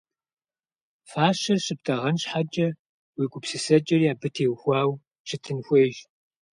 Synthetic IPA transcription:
faːɕɐrɕɨp̚tʰɐʁɐnɕħad͡ʒʼɐ | wiːɡʷʼʊpsɨsɐd͡ʒʼɐrjaːbɨtʰeːwxʷɑːw | t͡ʃʰɨtʰɨnxʷeːʒ

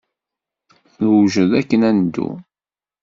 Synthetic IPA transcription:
θlwʒəðækːənænd̪ːṵ

